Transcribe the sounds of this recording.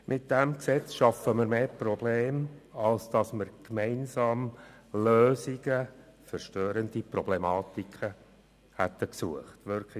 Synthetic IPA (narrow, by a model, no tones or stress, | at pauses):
mʔɪt̚d̥æmksɛt͡sʃɑfəməɾmeːprɔbleːmɑlsd̥ɑsməɾkmɛɪnsɑːm | løːsiɡə | fəɾʃtøːɾəndiprɔblɛmɑːt̪ikχə | hæt̪ːəksuəχt̪ʋøɾkʰli